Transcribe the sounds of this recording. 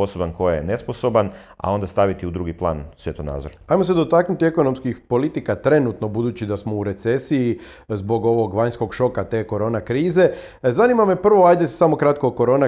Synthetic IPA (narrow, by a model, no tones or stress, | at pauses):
o̞sobankojenesposo̞bana̰o̞nd̪ast̪aʋit̪iud̪ɾuːɡiplˠa̰ːnsʋjet̪ona̰ːd̪zoɾajmo̞se̞d̪o̞t̪aknut̪ie̞ko̞no̞mskixpo̞lit̪ikat̪ɾe̞nuːt̪no̞bud̪uːt͡ɕid̪asmo̞uɾe̞t̪se̞sii | zbo̞ɡo̞ʋo̞ɡʋaɲsko̞ɡʃo̞kat̪e̞ːko̞ɾo̞ːnakɾiːze̞ | zaniːmame̞pr̩ʋo̞ajd̪e̞samo̞kɾat̪koko̞ɾo̞na